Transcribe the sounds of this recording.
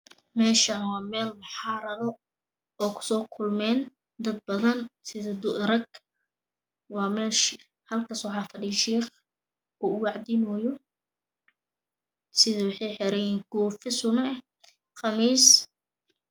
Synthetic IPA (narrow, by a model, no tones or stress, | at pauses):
mɛːʃawɑːmɛːlbɑħɑːɾɐðɔ | ɔːkʰʊ̥sɔːkʰʊlmɛːn | d̪ɐd̪̚bɐðɐnsɪðɐd̪ʊɾɐɡ | wɑːmɛːʃ | hɐlkʰaːsɔwħɑːfɐɖiʃiːχ | ɔːʊwɑʕd̪ɪnɔjɔ | sɪðɐwɑħɑjħɛɾɐjɛːɡ̥uːfɪsʊnɐ | χɑmiːs